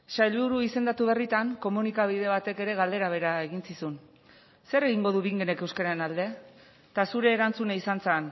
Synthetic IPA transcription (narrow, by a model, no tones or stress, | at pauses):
sajʎβuɾuise̞nd̪at̪uβe̞rit̪aŋko̞munikaβ̞ið̞e̞β̞at̪e̞ke̞ɾe̞ɣ̞ald̪e̞ɾaβ̞e̞ɾae̞ɣ̞insisun | se̞ɾe̞ɣiŋɡo̞ð̞uβiŋɡene̞kewskaɾaenald̪e̞ | t̪asuɾe̞ːɾant͡suneisant͡sen